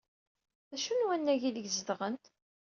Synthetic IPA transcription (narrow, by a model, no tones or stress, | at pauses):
ðæʃunwænːæʝiləɡzəðʁənt̪